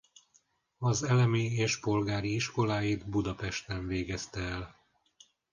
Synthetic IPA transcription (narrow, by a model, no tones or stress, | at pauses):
ɒzɛlɛmieːʃpo̞lɡaːɾiiʃko̞laːjid̪bud̪ɒpɛʃt̪ɛɱveːɡɛst̪ɛːl